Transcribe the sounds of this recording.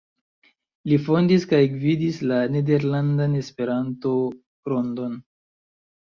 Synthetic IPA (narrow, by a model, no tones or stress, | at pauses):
lifo̞ndiskajɡvidislane̞de̞ɾlandane̞spe̞ɾanto̞ | ɾo̞ndo̞n